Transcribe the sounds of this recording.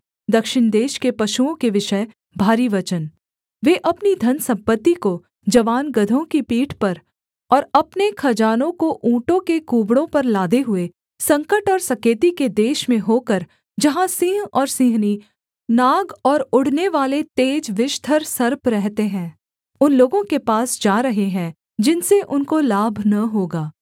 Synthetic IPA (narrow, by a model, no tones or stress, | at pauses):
d̪ɐkʃɪɳ̃d̪eːʃkepɐʃuõkeʋɪʃə | bʱaːɾiʋɐt͡ʃən | ʋeːʔɐpnid̪ʱɐnsɐ̃mpət̪ːiko | d͡ʒɐʋaːnɡɐd̪ʱõkipiːʈʰpɐɾ | ɔːɾɐpnekʰɐd͡ʒaːnõkoʔũːʈõkekuːbɽõpɐɾlaːd̪eɦʊe | sɐ̃ŋkəʈɔːɾsɐkeːt̪iked̪eːʃmẽɦoːkəɾ | d͡ʒɐɦãsĩːɦɔːɾsĩːɦni | naːɡɔːɾʊɽ̤neʋaːlet̪eːd͡ʒʋɪʃt̪ʰəɾsɐɾpɾɛɦt̪eɦɛ̃ː | ʊnloːɡõkepaːsd͡ʒaːɾɐɦeɦɛ̃ː | d͡ʒɪnseʔʊnkolaːbʱnɐɦoːɡaː